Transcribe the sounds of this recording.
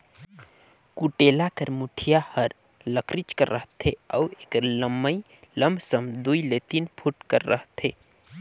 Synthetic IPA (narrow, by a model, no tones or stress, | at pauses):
kuʈelakəɾmuʈʰijahəɾ | ləkɾit͡ʃkəɾːəɦt̪ʰeə̰uekləmːəj | ləmbʱsəmd̪uilet̪inpʰuʈkəɾːə̰ɦt̪ʰe